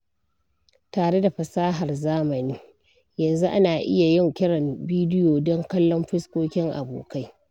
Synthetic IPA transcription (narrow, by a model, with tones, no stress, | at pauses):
taː˨ɽe˦da˨ɸɐ˨saː˦ɦa˨rzaː˦mɐ˨niː˦ | jɐ˨nzu˦ʔa˦naː˨ʔɪ˦ja˨jɪ˦ŋkʲɪ˦ɽɐ˨mbiː˦dɪ˦joː˨dɔ˦ŋkɐ˦lːɔ˦mɸɪ˦skʷoː˦kʲɪ˦ŋʔa̰˨boː˨ka˦j